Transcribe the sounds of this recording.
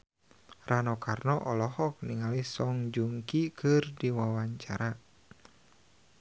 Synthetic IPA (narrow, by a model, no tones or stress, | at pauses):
rʔanɔkarnɔʔɔlɔɦɔk̚niŋalisɔŋd͡ʒuŋkikɨrdiwawaɲt͡ʃa̰ɾa